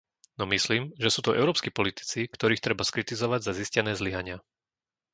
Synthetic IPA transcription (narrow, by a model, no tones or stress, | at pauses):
nɔmisliːmʒɛsuːt̪uʔɛ̰ʊɾɔːpskiːpɔlit̪i̥t͡sikt̪ɔɾiːxt̪ɾɛbaskɾit̪izɔʋaɟzaziscɛnɛːzliɦaɲɪa